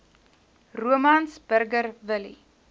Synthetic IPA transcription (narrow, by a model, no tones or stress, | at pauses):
ruəmɐnsbərɡərvəlḭ